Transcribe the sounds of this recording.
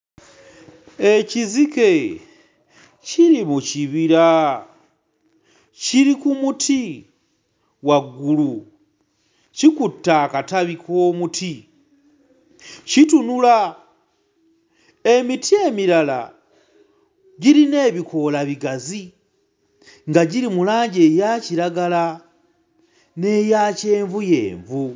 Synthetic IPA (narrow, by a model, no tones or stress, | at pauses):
e̞cizike̞ | ciɾimuciβiɾa | ciɾikumutʰi | waɡulu | cikutːaːkataβikʰo̞ːmutʰi | citunula | emitʰie̞miɾala̰ | ɟiɾine̞ːβikʰo̞laβiɡazi | ŋɡaɟiɾimulaːɲɟe̞ːjaːciɾaɡala | ne̞ːjace̞ːɱvuje̞̰ːɱvu